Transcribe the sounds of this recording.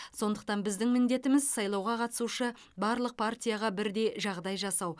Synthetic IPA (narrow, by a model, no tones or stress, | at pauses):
so̞nd̪əq̚t̪ɑnbɪzd̪ɪŋmɪnd̪e̞t̪ɪmɪzsɑjlˠɑwʁɑqʰɑt̪ə̥suʃə | bɑɾlˠəq̚pʰartʲijaʁɑbɪɾd̪e̞jʒɑʁd̪ɑjʒɑsɑw